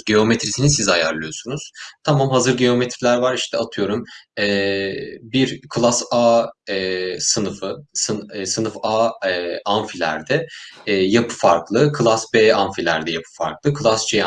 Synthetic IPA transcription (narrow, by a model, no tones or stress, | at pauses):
ɟeo̞met̪ɾisinisizaja̰ɾlˠɯjo̞sunuz̥t̪ʰamamhazɯɾɟejo̞met̪ʰɾilʲæɾvaɾiʃt̪ʰɛat̪ʰɯjo̞ɾumɛ | biɾkʰɯlˠasaːɛsɯnɯfɯsɯsɯnɯfaːanfilʲæ̰ɾd̪ɛː | japʰɯ̥faɾklˠɯkʰɯlˠasbeːanfilʲæɾd̪ɛjapʰɯ̥fa̰ɾklˠɯkʰɯlˠasd͡ʒe